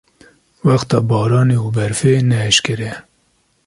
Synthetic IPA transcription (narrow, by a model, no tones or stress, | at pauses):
wɑxt̪ɑːbɑːɾɑːneubɛɾfeːnɛɛʃkɪɾɛ